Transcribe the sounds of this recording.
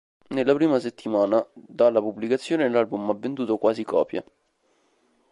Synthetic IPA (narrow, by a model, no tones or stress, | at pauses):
nelːapɾiːmaset̪ːimaːnad̪alːapublikat̪sːjoːnelːalbumavːent̪uːt̪okwaːsikɔ̰ːpja̰